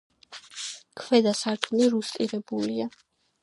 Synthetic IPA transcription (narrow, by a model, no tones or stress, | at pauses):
kʰwɛd̪asaɾd͡ʒʰʼuniɾust̪ʼiɾɛbulia